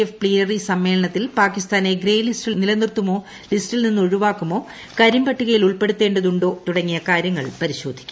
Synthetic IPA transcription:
efpɭiːnɐrisɐmːe̞ːlɐɳɐt̪ːilpaːkːist̪aːne̞ɡɾeːjlistilnilɐnirt̪ːumo̞ː | listilninːuɻuʋaːkːumo̞ː | kɐɾimbɐʈːuɣɐjiluɭpe̞ɽut̪ːe̞ːɳɖɐðuɳɖo̞ːt̪uɽɐŋːijɐkaːɾjɐŋːɐ̰ɭpɐɾiɕo̞ːd̪ʱi̥kʲːu̥

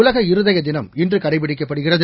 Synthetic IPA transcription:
ʊlɐɣɐɪɾɯðɐjɐd̪ɪnɐmɪndrɯkɐɽɐɪpɪɽɪk̬ːɐpːɐɽɯɣɪrɐðɯ

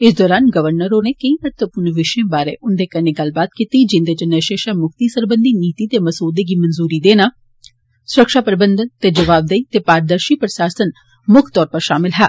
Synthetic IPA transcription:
ɪs̬d̪ɔːɾaːnɡəʋəɾnəɾoːneːkəĩːmət̪ʋəpʊnʋɪʃẽːbaːɾḛːʔʊnd̪eːkəneːɡɐlbaːt̪kit̪iːd͡ʒɪ̃nd̪eːt͡ʃənəʃeːʃaːmʊkt̪iːsəɾbənd̪iːniːt̪iːt̪eːməsoːd̪eːɡiːmənzuːɾiːd̪eːnaː | sʊɾəkʃaːpɾəbənd̪ənt̪eːd͡ʒəʋaːb̚d̪eiːt̪eːpaːɾəd̪əɾʃiːpɾəʃaːsən | mʊkʰt̪ɔːɾpəɾʃaːmɪlɦɛː

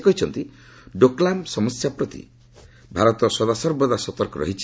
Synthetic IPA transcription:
kɔɦit͡ʃʰɔnt̪i | ɖoklamsɔmɔsjapɾɔt̪ḭ | bʱaɾɔt̪ɔsɔd̪asɔɾbɔd̪asɔt̪ɔɾkɔɾɔ̰ɦit͡ʃʰ

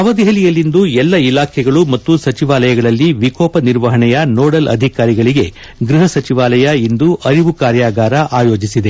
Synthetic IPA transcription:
ɐʋɐd̪ɛɦɐlijɐlːind̪uɛlːɐilaːkʰɛɡɐɭumɐt̪ːusɐt͡ʃiʋaːlɐjɐɡɐɭɐlːiʋikɔːpɐniɾʋɐɦɐɳɛjɐnoːɽɐlɐ̰d̪ʱikaːɾiɡɐɭiɡe̞ | ɡɾiɦɐsɐt͡ʃiʋaːlɐjɐind̪uʔɐɾiʋukaːɾjaːɡaːɾɐʔaːjo̞ːd͡ʒisid̪e̞

